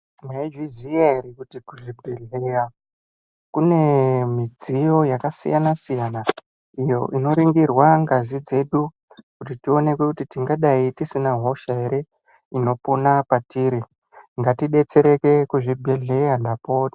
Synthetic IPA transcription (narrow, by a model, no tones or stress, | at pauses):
maid͡ʒiziaiɾikutikuʐibʱeɮeja | kune̞mid͡zijo̞jakasḭjanasijana | ijo̞̰ʔino̞ɾiŋɡirwaŋɡazid͡ze̞ɗu | kutitio̞ne̞kukutitiŋɡaɗaitisinaɦo̞ʃaeɾe̞ | ino̞po̞napatiːɾi | ŋɡatiɗe̞t͡se̞ɾe̞ke̞kuʐibʱeɮe̞jandapoːti̥